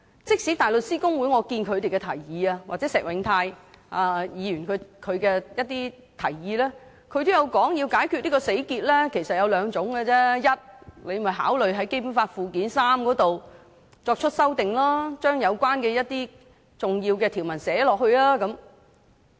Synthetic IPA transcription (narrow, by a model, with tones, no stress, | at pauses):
t͡sɪ˥k̚si˨˥t̪aː˨˩jlɵ˨˩t̚siː˥kʊ˥ŋwu˨˥jŋɔː˨˧kiː˧nkʰɵ˨˧ɥt̪e˨jkɛ˧t̪ʰɐ˨˩jjiː˨˧ɐ˧waː˨t͡sɛː˨˦sɛː˨k̚wɪ˨˥ŋt̪ʰaː˧jʔaː˧jiː˨˧jy˨˩nkʰɵ˨˧kʰɵ˨˧ɥkɛː˧jɐ˥t̚t̪iː˥ | t̪ʰɐ˨˩jjiː˨˧lɛː˥ | kʰɵ˨˧ɥt̪o˥jɐ˨˧wkɔː˨˥ŋji˧wkaː˨˥jkʰy˧t̚niː˥kɔː˧se˨˥jkiː˧t̚lɛː˥kʰe˨˩sɐ˨t̚jɐ˨˧wlœː˨˧ŋt͡sʊ˨˥ŋɡɛ˧t͡sɛ˥jɐ˥t̚le˨˧jmɐ˨jɦa̰ː˨˥wlɵ˨ɥɦɐ˨˥jke˥jp̬uː˨˥nfaː˧tfuː˨kiː˨˥nsaː˥mkɔː˨˥t̪o˨w | t͡sɔː˧k̚t͡ʃʰɵ˥t̚sɐ˥wt̪ɪ˨˩ŋlaː˥t͡ʃœː˥ŋjɐ˨˧wkʷwaː˥nkɛː˧jɐ˥t̚t̪iː˥ | t͡sʊ˨ŋjiː˧wkɛ˧t̪ʰiː˨˩wmɐ˨˩nsɛː˨˥lɔː˨k̚hɵ˧ɥlaː˥kɐ˨˥m